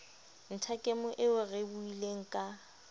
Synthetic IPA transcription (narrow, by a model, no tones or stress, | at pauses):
n̩tʰakʼemʊʔɪʊrebuileŋ̩kʼa